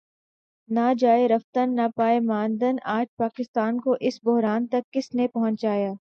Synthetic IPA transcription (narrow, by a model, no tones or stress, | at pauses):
naːd͡ʒaːeɾɐft̪ənːapaːemãːnd̪ənaːd͡ʒpaːkɪst̪aːnkoʔɪsbʊɦɾaːnt̪ɐkːɪsnepɐɦʊ̃ɲt͡ʃaːjaː